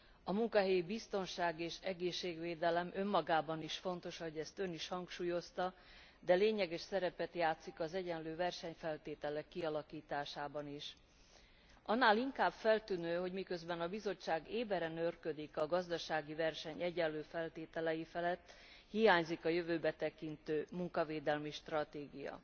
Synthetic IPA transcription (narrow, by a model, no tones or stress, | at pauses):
ɒmuŋkɒɦɛjibist̪o̞nʃaːɡeːʃɛɡeːʃːeːɡveːd̪ɛlɛmʔø̞mːɒɡaːbɒniʃfo̞n̪t̪o̞ʃɒɦo̞ɟɛst̪ø̞niʃhɒŋkʃuːjo̞st̪ɒ | d̪ɛleːɲɛɡɛʃsɛɾɛpɛt̪jaːt̪sikɒzɛɟɛnløːvɛrʃɛɲfɛlt̪eːt̪ɛlɛkːiɒlɒkiːt̪aːʃaːbɒniʃ | ʔɒnːaːliŋkaːbfɛlt̪ynøːɦo̞ɟmikø̞zbɛnɒbizo̞t͡ʃːaːɡeːbɛɾɛnørkød̪ikɒɡɒzd̪ɒʃaːɡivɛrʃɛɲɛɟɛnløːfɛlt̪eːt̪ɛlɛjifɛlɛt̪ː | hijaːɲzikɒjøvøːbɛt̪ɛkint̪øːmuŋkɒveːd̪ɛlmiʃt̪rɒt̪eːɡijɒ̰